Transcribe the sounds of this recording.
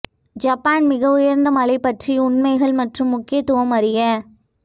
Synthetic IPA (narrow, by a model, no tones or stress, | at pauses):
d͡ʒɐpːaːnmɪɣɐʊjɐɾnd̪ɐmɐɭɐɪpːɐʈriʊɳmɐɪɣɐɭmɐʈrɯmːʊkːɪjɐt̪ːʊʋɐmɐɾɪjɐ